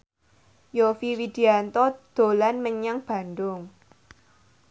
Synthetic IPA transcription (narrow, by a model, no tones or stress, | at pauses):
jofiwid̪̥iant̪ɔd̪̥o̤lanməɲaŋb̥a̤nd̪ʊŋ